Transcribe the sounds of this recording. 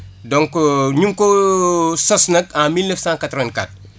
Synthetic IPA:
dɔ̃ŋkɲumko | sɔsnɐkãmilnəfsãːkat̪ɾʋɛ̃nka̰t̚

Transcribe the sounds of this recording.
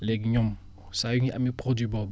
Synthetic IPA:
lɛɡiɲɔ̃m | sajuŋiʔa̰mipɾodwibɔb

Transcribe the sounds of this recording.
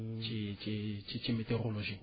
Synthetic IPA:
t͡ʃʼɪt͡ʃɪt͡ʃɪt͡ʃɪmɪterʊloʒi

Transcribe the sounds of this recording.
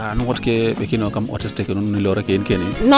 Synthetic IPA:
anʊŋɔtkebekinokamɔ̰tɪstɛkenunnilɔɾɛkeɪnkeninɔ

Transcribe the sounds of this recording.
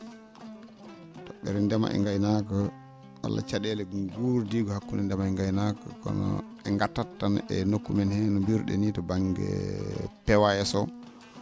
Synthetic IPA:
tɔɓɛɾɛndɛma̰ʔɛ̰ŋɡajnaka | wa̰lːa̰t͡ʃaɗɛlɛɡuɾdiɡɔhakːunɛndɛmaɛŋɡajnakakɔ̰nɔ̰ | ɛŋɡatːatːanɛnokːumɛnhɛnɔmbiɾɗɛ̰nitɔbaŋɡɛ̰pɛwajɛsɔ

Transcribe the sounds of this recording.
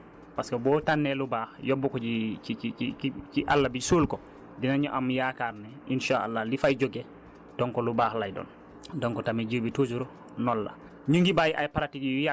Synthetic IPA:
paskabɔːtanːelubahjobːukɔd͡ʒiiiiit͡ʃiʔa̰lːabid͡ʒsulkɔ | dinaɲuʔamjakaɾnɛʔinʃaa̰lːalifajd͡ʒoɡe | d̥ɔŋkɔlubaːxlajdɔ̰ːn | dɔŋkɔtamiɟubitud͡ʒuɾu | nɔlːa̰ | ɲuŋɡibajiʔa̰jpaɾatijja

